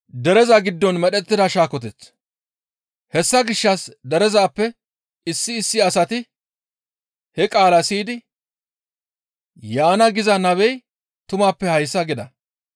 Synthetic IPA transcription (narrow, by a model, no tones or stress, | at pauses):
d̪ɛɾɛzɐɡɪd̪ːɔnmɛɗɛt̪ːɪd̪ɐʃaːkɔt̪̬ɛt͡s | hɛsːɐɡɪʃːɐsd̪ɛɾɛzaːpːɛ | ɪsːɪːsːɪɐsɐt̪ɪ | hɛkʼaːlɐsiːd̪ɪ | jaːnɐɡɪzɐnɐbɛj | t̪ʊmaːpːɛhɐjsːɐɡɪd̪ɐ̰